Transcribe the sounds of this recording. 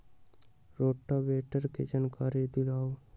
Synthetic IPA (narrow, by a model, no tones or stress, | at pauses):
ɾoːʈːabeːʈəɾkḛd͡ʒankaːɾid̪ilaː